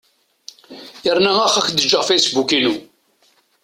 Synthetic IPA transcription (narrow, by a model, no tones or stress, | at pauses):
jəɾˤnæʁæχæçd̪əd͡ʒəʁfejsbukinu